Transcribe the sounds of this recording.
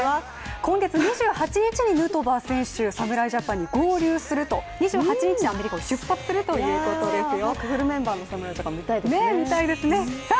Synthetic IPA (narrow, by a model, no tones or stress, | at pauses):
a | kõ̞ŋɡe̞t͡sɨɲ̟iʑɨːhat͡ɕiɲ̟it͡ɕiɲ̟inɯ̟ːt̪o̞baːsẽ̞ɰ̃ɕɨːsamɯ̟ɾaiʑapãɲ̟ːiɡo̞ːɾʲɯːsɨɾɯ̟t̪o̞ɲ̟iʑɨːhat͡ɕiɲ̟it͡ɕiɲiame̞ɾʲikaoɕɨpːatt͡sɨ̥sɨɾɯ̟t̪o̞jjɯ̟ːko̞o̞d̪e̞sɨjokɯ̟ɸɯ̟ɾɯ̟mẽ̞mbaːno̞samɯɾaiʑapãmit̪aid̪nemʲit̪aid̪e̞sɨne̞